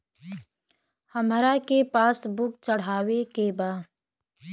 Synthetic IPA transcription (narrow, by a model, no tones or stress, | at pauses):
həmɾakepaːsbʊk̚t͡ʃəɽ̤aːwekebaː